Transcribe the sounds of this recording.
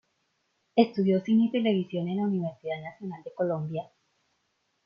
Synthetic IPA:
est̪uðjo̞sinit̪e̞leβisjo̞nenlauniβ̞eɾsiðaðnasjo̞nald̪e̞ko̞lõ̞mbja

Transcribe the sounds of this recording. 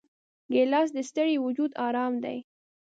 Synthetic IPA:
ɡelɑs̬d̪əst̪əɽiwʊd͡ʒud̪ɑɾɑmd̪a̰j

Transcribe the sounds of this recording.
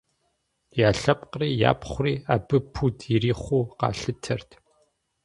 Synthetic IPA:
jaːɬɐpqriːja̰ːpχʷriːabɨpʰutʰjɪriːχʷuːqɑ̰ːɬɨtʰɐrtʰ

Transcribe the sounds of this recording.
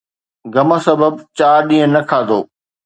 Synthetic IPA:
ɡɐməsɐbəbt͡ɕaːɾɗĩːə̃nɐkʰaːd̪oː

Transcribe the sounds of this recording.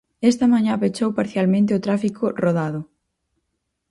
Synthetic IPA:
ɛst̪ɐmaɲãpet͡ʃowpaɾθjalmẽnt̪̬ɪʊt̪ɾafikʊroðaðʊ

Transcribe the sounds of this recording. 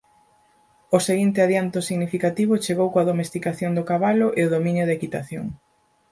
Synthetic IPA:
ʊseɣint̪ɪaðjant̪ʊsiɣnifikat̪iβ̞ʊt͡ʃeɣowkoaðomest̪ikaθjoŋd̪ʊkaβalʊʔeʊðomĩnjʊðekit̪aθjo̰ŋ

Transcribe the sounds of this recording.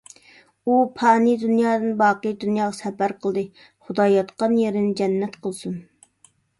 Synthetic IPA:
upʰɑːnid̪unjɑːd̪ɨnbɑːqəd̪unjɑːʁɑsɛpæɾqʰəlˠd̪ɨ | χʊd̪ɑjɑt̪qɑnjeɾɪnɪd͡ʒɛnːɛt̪qʰəlˠsun

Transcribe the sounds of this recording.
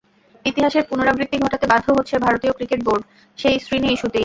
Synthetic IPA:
it̪iɦaʃeɾpunoɾabɾit̪ːiɡʱoʈat̪ebad̪ʱoɦotːɕʰebʱaɾot̪iokɾikeʈ̚boɾɖ | ʃejsɾiniiʃut̪i

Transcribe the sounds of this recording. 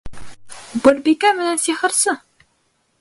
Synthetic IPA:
bɘ̆lbikæmɘ̆nænsiχɤ̆ɾsɤ

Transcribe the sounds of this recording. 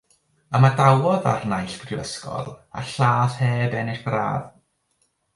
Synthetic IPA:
əmadawɔða̰rnajɬɡ̥rɪwə̰skɔ̰lˠa̰ɬaːθheːbɛnɪχb̥ra̰ːð

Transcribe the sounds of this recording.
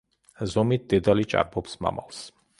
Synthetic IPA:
zɔmit̪̚d̪̥ɛd̪alit͡ʃʼa̰ɾbɔpsma̰ma̰ls

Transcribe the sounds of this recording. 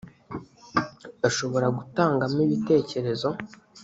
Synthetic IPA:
aʃo̞βo̞ɾaɡutaːŋɡamiβite̞ːce̞ɾe̞zo̞

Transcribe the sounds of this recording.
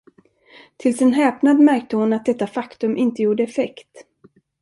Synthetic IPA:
t̪ʰɪlsɛnɦɛːpnad̪mæɾk̚t̪əhʊnat̪̚d̪ɛt̪ːafakt̪ɵmʔɪnt̪əjuːɖəɛfɛkt̪

